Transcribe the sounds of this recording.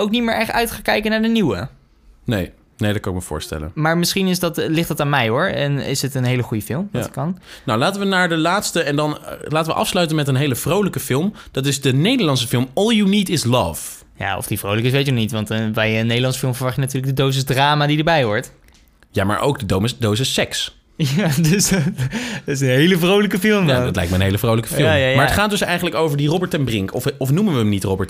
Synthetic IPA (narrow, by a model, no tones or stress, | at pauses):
owk̚nitmɪːɹʔɛχtœɥtχaːŋkɛjkənaːɹdəniwə | nej | nejdɑt̚kɑnɪk̚məvʊ̰ːɹstɛ̰lə̰nmaːɹmɪsχinɪsdɑtlɪχtɑtaːnmɛjɦʊɹɛnɪ̰sɦətənɦejləχujəfɪlˠmʋtkɑnnawlaːtənʋənaːɹdəlaːtstəɛndɑnlaːtəʋə̰ʔɑ̰fslœɥtənmɛtənɦejləv̥rowləkəfɪlˠmd̥ɑtɪzdənejdəɹlɑnsəfɪlˠmɔlˠjunitɪslʌ̰v | ja̰ɔ̰fd̥ivrowləkɪs̬ʋejtənɔnitʋɑntbɛjənːejdəlɑnsəfɪlˠmvəɹʋɑχjənatyːɹləɡ̚dədowsəsdraːmaːdidəɹbɛjʋɔɹt | ja̰ma̰ɹʔo̰wɡ̚dədomsdowsəsːɛks | jads | dtɪsənɦejləvrowləkəfɪlˠmja̰ɑ̰tlɛ̰jk̚mɛjənɦejləvrowləkəffɪlˠamaɹəətχaːt̚dɵsɛjχənləkowvəɹdirɔbəɹtɛnbrɪŋkʰɔfɔfnumənʋəəmnitrɔbəɹt